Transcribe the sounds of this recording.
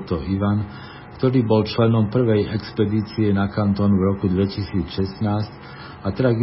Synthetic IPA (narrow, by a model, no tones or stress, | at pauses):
t̪ɔʔiʋan | kt̪ɔɾiːbɔlt͡ʃlɛnɔmpr̩ʋɛjɛkspɛd̪iːt͡siɛnakant̪ɔːnvɾɔkud̪ʋɛcisiːt͡sʃɛsnaːsc | at̪ɛɾaɡi